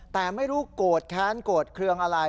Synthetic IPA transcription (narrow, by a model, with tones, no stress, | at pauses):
t̪ɛː˨˩ma˥˩jɾuː˦˥koː˨˩t̪̚kʰaː˦˥nkoː˨˩t̪̚kʰɾɯ˧əŋʔa˧ɾa˧